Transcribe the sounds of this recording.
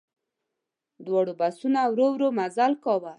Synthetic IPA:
d̪wɔɽobasunawɾowɾomazalkɔwa

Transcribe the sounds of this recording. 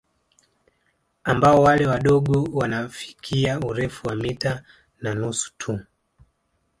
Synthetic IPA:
ambaɔwalɛwaɗɔɠɔwanafi̥kʰiauɾɛfuwamita | nanusu̥tʰu

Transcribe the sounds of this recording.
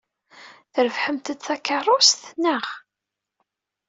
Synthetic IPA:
θəɾəfħəmt̪ət͡s̪θækːərˤosθnːəʁ

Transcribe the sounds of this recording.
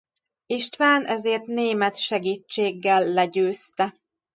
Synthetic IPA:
iʃt̪ʋaːnʔɛzeːrt̪neːmɛt̪ʃɛɡiːt͡ʃːeːɡːɛlːɛɟøːst̪ɛ

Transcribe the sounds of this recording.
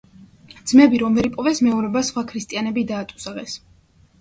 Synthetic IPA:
d̪z̥mɛbiɾɔmvɛɾipʼɔvɛsmɛɔɾɛbasχwakʰɾist̪ʼianɛbid̪aːt̪ʼu̥sʁɛs

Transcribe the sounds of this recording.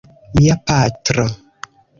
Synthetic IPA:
mjapatɾə

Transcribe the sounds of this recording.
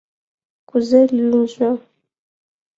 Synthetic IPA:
kuzɛlluzʷa

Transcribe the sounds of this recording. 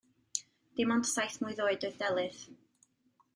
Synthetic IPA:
d̥ɪmɔntsajθmuɨðoːɨdoɨðdɛlˠɨð

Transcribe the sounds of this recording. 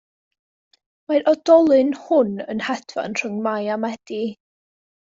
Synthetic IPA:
maɾʔɔd̥ɔlˠɨnhʊnənhɛd̥va̰nr̥ʊŋmajamɛd̥i

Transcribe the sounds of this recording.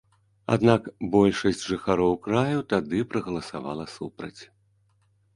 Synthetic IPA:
a̰d̪nakbɔlʲʂɐsʲt͡sʲʐɨxaɾɔwkɾajut̪ad̪ɨpɾɐɣɐlˠɐsava̰lˠɐsupɾɐ̰t͡sʲ

